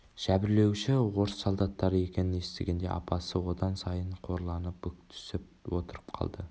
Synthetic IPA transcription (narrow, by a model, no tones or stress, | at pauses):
ʒ̥æbɪɾle̞wʃɪwo̞ɾsːolˠd̪ɑt̪ːɑɾəje̞kʲe̞nɪne̞st̪eɡʲe̞nd̪e̞̰ʔɑ̰pɑsəwo̞d̪ɑnsɑjəɴqʰo̞ɾlˠɑnəpʏktt̪ʰʏ̥sɪp̚ | wo̞t̪əɾəp̚qʰɑ̰lˠd̪ə